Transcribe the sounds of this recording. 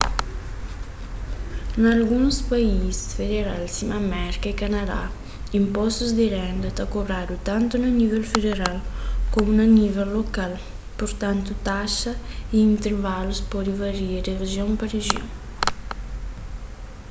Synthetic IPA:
nalɡunspaisfed̪eɾalsimamɛɾkaikanad̪a̰ | impɔst̪uzd̪ɪɾɛnd̪ɐt̪akobɾad̪ut̪ant̪unanivɛlfed̪eɾalkomunanivɛlːokal | puɾt̪ant̪ut̪aʃɐiint̪eɾvaluspɔd̪ivaɾiɾereʒjoŋpareʒjo̰ŋ

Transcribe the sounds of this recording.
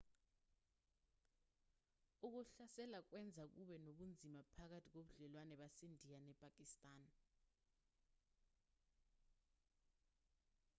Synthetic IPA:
uk̬uɬasɛlak̬wɛnd͡zʱak̬uɓɛnoɓund͡zʱimapʰak̬atʰik̬oɓuɮɛlwanɛɓasendʱijanɛpʼak̬ʼistʼaːn

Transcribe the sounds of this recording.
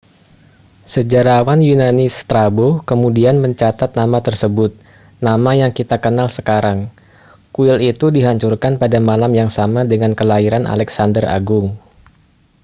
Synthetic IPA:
səd͡ʒaɾawanjunanɪst̪ɾabokəmudianməɲt͡ʃat̪at̪̚namat̪ərsəbʊt̪̚ | namajaŋkit̪akənalsəkaɾaŋ | kuɪlit̪udiɦaɲt͡ʃurkanpadamalamjaŋsamadəŋankəlaiɾana̰lɛksandəra̰ɡʊŋ

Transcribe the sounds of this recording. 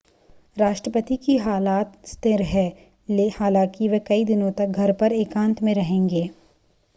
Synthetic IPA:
ɾaːʃʈɾəpət̪ikiɦaːlaːt̪st̪ɪɾɦɛː | lhaːlãːkiʋɐkɐid̪ɪnõt̪ɐk̚ɡʱɐɾpɐɾeːkãːnt̪ʰmẽɾɐɦẽːŋɡeː

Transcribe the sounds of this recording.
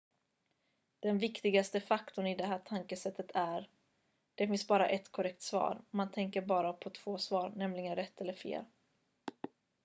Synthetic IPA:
d̪̥ɛnvɪkt̪ɪɡast̪əfakt̪ʊɳɪd̪ɛɦæːʈʰaŋkəsɛt̪ːət̪ʰæɾ | ɖ̥̪ɛfɪnsbɑːɾa̰ʔɛt̪kʰɔɾɛkt̪svɑ̰ːɾmant̪ʰɛŋkəɾbɑːɾapʰɔt̪ʰv̥oːsvɑːɾnɛmlɪɡənɾɛt̪ʰːɛlːəɾfḛːl

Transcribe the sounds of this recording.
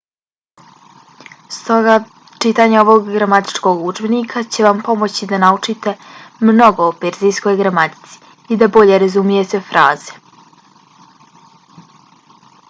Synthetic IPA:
st̪o̞ɡa | t͡ʃit̪aɲeo̞ʋo̞ɡɡɾamat̪i̥t͡ʃko̞ɡud͡ʒbenikʰat͡ɕe̞ʋampo̞mot͡ɕid̪anaut͡ʂit̪e̞mno̞ɡo̞ːpeɾzijsko̞jɡɾamat̪i̥t̪si̥ | id̪abo̞ʎe̞ɾazumije̞t̪efɾʔaːz̥e̥

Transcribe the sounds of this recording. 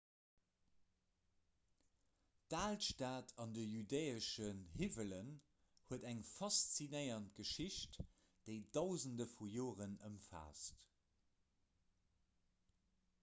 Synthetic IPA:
daːltʃtaːtʰɑndəjydeɪəʃənhivələn | huədæŋfɑst͡sinəɪɐntɡ̥əʃiɕt | d̥eɪd̥ɑʊzəndəfujoːʁənəmfa̰ːst

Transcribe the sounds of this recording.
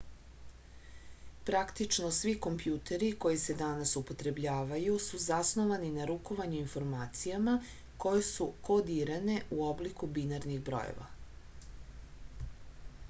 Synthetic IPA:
pɾakt̪it͡ʃno̞sʋiko̞mpjuːt̪e̞ɾiko̞jised̪anasupo̞t̪ɾe̞bʎaːʋajusuzasnoʋaninaɾuko̞ʋaɲuinfo̞ɾmaːt̪sijama | ko̞je̞suko̞d̪iɾane̞uo̞blikubinaɾniɣbɾo̞̰jḛʋa̰

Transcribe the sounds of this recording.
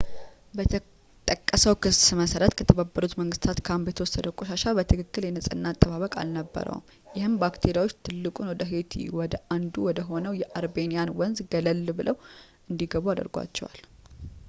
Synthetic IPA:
bə | t̪ʼəkʼːəsəwkʰɨsməsəɾət̪kʰət̪ʰəβabːəɾut̪məŋɡɨst̪ʰat̪kʰambjɛt̪əwɔsːəd̪əkʼoʃaʃabət̪ʰɨkɨkːɨljɛnəsʼɨnːaːt̪ʼːəβaβəkʼa̰lnəbːə̰ɾə̰w̰m | jɪhɨmbakt̪ʰe̞ɾijawot͡ʃːt̪ʰɨlːɨkʼunwɔd̪əɦe̞t̪ʰḭwɔd̪əʔand̪uwɔd̪əɦo̞nəwjɛʔaɾbe̞nijanwɔnzɡələlːbɨlʔəwʔɨnd̪iɡəβuad̪ə̰ɾɡa̰t͡ʃːɛ̰wa̰l

